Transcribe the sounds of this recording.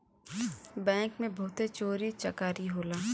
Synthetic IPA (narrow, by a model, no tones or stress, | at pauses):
bɛ̃ːŋkmẽbɐɦt̪et͡ʃoːɾit͡ʃɐkaːɾiɦoːlaː